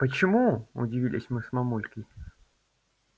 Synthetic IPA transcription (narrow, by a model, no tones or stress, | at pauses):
pət͡ɕɪmuʊ̰dʲɪvʲilʲɪ̰sʲmɨsmɐmulʲkʲɪ